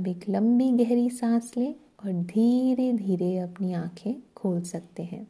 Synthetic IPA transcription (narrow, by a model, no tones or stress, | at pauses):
beːklɐ̃mbiɡɛɦɾisaːsleː | ɔːɾd̪ʱiːɾed̪ʱiːɾeɐpniãːkʰẽkʰoːlsɐk̚t̪eɦɛ̃ː